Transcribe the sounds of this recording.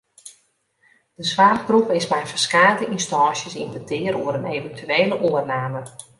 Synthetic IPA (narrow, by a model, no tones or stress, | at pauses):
d̥əswaːrbrupɪsmɛjfərskaːdəʔinstɑ̃ːsjəsinbətʰɪəɾoəɾəneːvəntʰyeːləʔoərnaːmə